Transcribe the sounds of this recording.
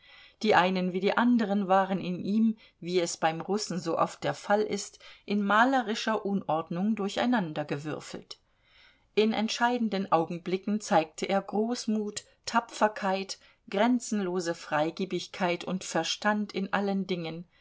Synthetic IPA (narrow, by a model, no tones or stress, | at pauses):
d̥iːʔaɪnənviːdiːʔandəʁ̞ənvaːʁənɪnʔiːm | viːɛsb̥aɪmʁʊsn̩zoːʔɔ̰ft̚d̥eːɐfalʔɪ̰stʔɪnmaːlɐʁɪʃɐʔʊnʔɔɐdnʊŋdʊɐça̰ɪnandɐɡəvʏ̰ɐfl̩t | ʔɪnɛ̰ntʃaɪdn̩dənʔaʊɡŋ̩blɪkŋ̩t͡saɪk̚tʰəʔeːɐɡʁoːsmuːt | tʰːapp͡ffɐkʰaɪt | ɡ̥ʁɛnt͡sn̩loːzəfʁ̥aɪɡiːbɪçkʰaɪtʰʊntfɛɐʃtantʰɪnʔa̰ləndɪŋən